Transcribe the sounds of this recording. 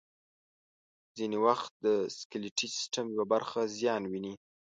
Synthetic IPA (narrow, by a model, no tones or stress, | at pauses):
zinewaxt̪̚d̪əskɪlɪʈisɪ̥sʈamjwabaɾxazjɑnwini